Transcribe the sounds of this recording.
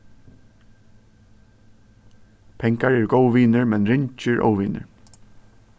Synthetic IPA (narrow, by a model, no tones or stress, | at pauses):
pʰɛŋkaɹɛːɹɡowʋiːnəɹmɛnɹɪɲt͡ʃɪɹʔo̰wʋiːnə̰ɹ